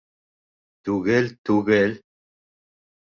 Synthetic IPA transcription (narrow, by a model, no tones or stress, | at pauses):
t̪uɣelt̪uɣel